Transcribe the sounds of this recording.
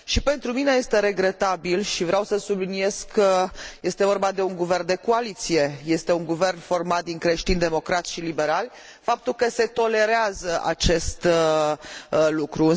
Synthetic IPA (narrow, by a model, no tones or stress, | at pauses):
ʃipe̞nt̪ɾumine̞jest̪e̞ɾe̞ɡɾe̞t̪abilʃivɾeawsəsublinie̞skkʰːəje̞st̪e̞vo̞rbad̪e̞uŋɡuvernd̪eko̞alit̪sije̞je̞st̪e̞uŋɡuve̞rnfo̞rmat̪̚d̪iŋkɾe̞ʃt̪ind̪e̞mo̞kɾat̪sʃilibe̞ɾalʲ | fap̚t̪ulkəse̞t̪o̞le̞ɾeazəʔa̰t͡ʃe̞st̪ | lukɾuɨn